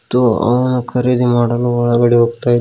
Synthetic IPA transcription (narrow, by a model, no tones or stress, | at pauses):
t̪uɐ̰ʋɐnukʰɐɾid̪imaːɽɐluɔɭɐɡɐɽiɦoːɡ̚t̪aːjid̪